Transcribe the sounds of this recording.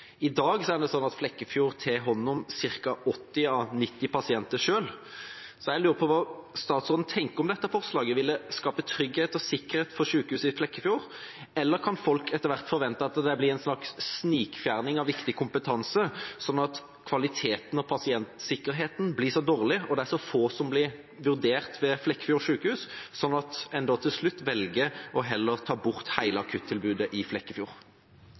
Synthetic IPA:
ɪd̪ɑːɡsɔæʁd̪ɛsɔnɑt̪flɛkːəfjuːɾt̪ʰeːɦɔnːʊmsɪɾkɑɔt̪ːɪɑnɪt̪ːɪpɑsɪɛnt̪əʂøːlsɔjɛɪlʉːɾəpʰɔʋɑːst̪ɑːt̪sɔd̪n̩t̪ʰɛŋkəɔmd̪ɛt̪ːəfɔʁslɑːɡəʋɪlːəskɑːpət̪ʰɾʏɡheːt̪ɔsɪkːəʁheːt̪fɔɾʂʉːkhʉːsəɪflɛkːəfjuːɾ | ɛlːəɾkʰɑnfɔlkɛt̪ːəɾʋæʁt̪fɔɾʋɛnt̪əɑt̪d̪ɛblɪæɪnsnɑksːniːkfjæːʁnɪŋɑʋɪkt̪ɪkʰʊmpət̪ʰɑnsəsɔnːɑt̪ | kʰʋɑlɪt̪ʰeːt̪n̩ɔpʰɑsɪɛnt̪sɪkːəʁɦeːt̪n̩blɪsɔd̪oːʁlɪɔd̪ɛæʁsɔfoːsɔmblɪʁ | ʋʉʁd̪eːʁt̪ʋɛflɛkːə̥fjuːʁɔʂʉːkəhʉːssɔnːɑt̪ɛnd̪ɔt̪ʰɪlslʉt̪ːʋɛlɡəʔɔɦɛlːəʁt̪ʰɑːbʊʁt̪hæɪləɑkʰʉt̪ʰːɪlbʉːd̪əʔɪflɛkːəfjṵːʁ

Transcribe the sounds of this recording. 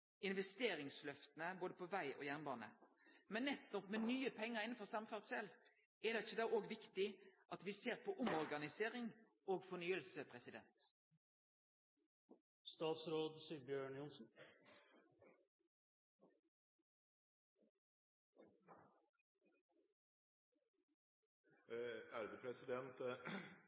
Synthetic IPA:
ɪnʋɛst̪eːʁɪŋslœft̪ən̩əboːd̪əpʰoːʋæɪʔo̰ːjæʁnbɑːnə̰ | mɛnːɛt̪ɔpmeːnyːəpʰɛŋːəʁɪn̩fɔʁsɑmføʁt̪sɛl | ɛd̪ɛɪçːəd̪ɑːoːɡʋɪkt̪ɪʔɑt̪ʋiseːʁpʰɔʔʊmɔʁɡɑnɪseːʁɪŋ | oːɡfɔnyːəlsəpʰʁɛsɪd̪ɛ̰nt̪ | st̪ɑːt̪sɾoːd̪siːbjøːɳjʊnsn̩ | æɾbəpʰɾɛsɪd̪ɛnt̪

